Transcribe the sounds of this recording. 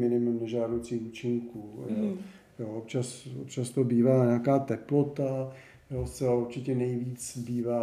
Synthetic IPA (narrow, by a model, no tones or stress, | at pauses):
mɪnɪmumnɛʒaːdowt͡siːuːt͡ʃɪŋkuːjo | joːop̚t͡ʃaso̰pt͡ʃast̪obiːvaːɲɛakaːt̪ɛplo̞t̪a | jost͡sɛlauɾt͡ʃɪcɛnɛjviːt͡sbiːvaː